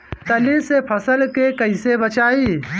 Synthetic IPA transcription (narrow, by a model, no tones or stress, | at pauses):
t̪əlisepʰəsəlkekɐɪsebət͡ʃaːiː